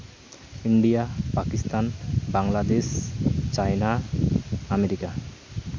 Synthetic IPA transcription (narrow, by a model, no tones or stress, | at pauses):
iɳɖijapakist̪anbaŋlad̪eʃt͡ɕajna | ameɾika